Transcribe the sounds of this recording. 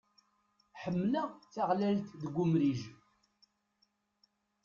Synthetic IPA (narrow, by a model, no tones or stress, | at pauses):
ħəmːləʁθaʁlælt̪ðəɡʷʊmɾiʒ